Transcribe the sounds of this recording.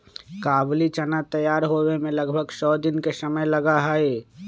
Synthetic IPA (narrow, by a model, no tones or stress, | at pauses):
kaːblit͡ʃənat̪əjaːɾɦowemẽləɡbʱəɡsɔːd̪ɪnkesəməjləɡaɦəe